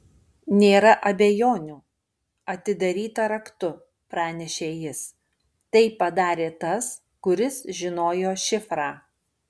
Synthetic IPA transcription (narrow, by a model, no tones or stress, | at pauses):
nʲeːɾɐʔɐbʲejoːnʲuː | ɐt̪ʲɪd̪ɐɾʲiːt̪ɐɾɐkt̪ʊ | pɾɑːnʲɛʃʲeːjɪs | t̪ɐɪpɐd̪ɑːɾʲeːt̪ɐs | kʊɾʲɪsʒʲɪnoːjoːʃʲɪfɾɑː